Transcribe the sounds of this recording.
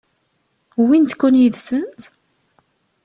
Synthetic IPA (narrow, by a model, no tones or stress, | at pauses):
wint̪kːunjəðsənt̪